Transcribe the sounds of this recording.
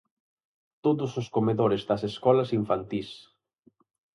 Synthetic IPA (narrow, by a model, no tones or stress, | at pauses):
t̪oðʊsʊskomeðoɾɪzðɐseskɔlɐsiɱfant̪is